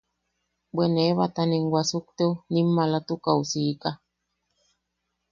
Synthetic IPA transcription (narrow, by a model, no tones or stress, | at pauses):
bweneβat̪aneŋɡwasuk̚t̪enimːalat̪ukausika